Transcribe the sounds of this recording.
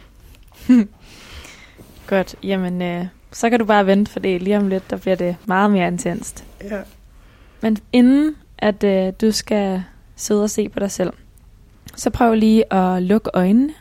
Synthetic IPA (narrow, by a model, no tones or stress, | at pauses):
ɡ̥ɒ̽d̥jæmən | sɒ̽kʰædub̥ɑ̈ːʋend̥əfɒ̽d̥ḭːliːɒmle̝d̥ːɑ̈b̥liɐ̰de̝mɑ̈ːð̩ˠme̝ːɐe̝nt͡sʰen̰sd̥ | mene̝nn̩ | ʔæd̥ø̥usɡ̥æ | se̝ð̞ˠɒ̽se̝̰ːpʰɒ̽ɾ̥ɑ̈ɪsel̰ | sɒ̽pʰʁœʊɐliːʔɒ̽lɔ̽ɡ̥əʔɒ̽ɪnːə